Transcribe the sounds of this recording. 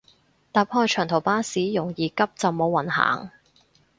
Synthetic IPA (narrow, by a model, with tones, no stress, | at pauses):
t̪aː˨˩p̚hɔː˧jt͡ʃʰœː˨˩ŋt̪ʰo˨˩wpaː˥siː˨˥jʊ˨˩ŋjiː˨kɐ˥p̚t͡sɐ˨˩wmo˨˧wɐ˨˩nha̰ː˨˩ŋ